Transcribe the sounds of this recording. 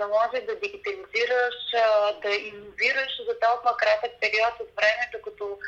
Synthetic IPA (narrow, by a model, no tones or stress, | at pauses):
ɐmɔʒɛʒd̪ɐd̪iɡʲit̪ɐliziɾəʃd̪ɐinoviɾəʃzɐt̪ɔlˠmɐkɾat̪ək̚pɛɾiɔt̪ot̪vɾɛmɛd̪okɐt̪o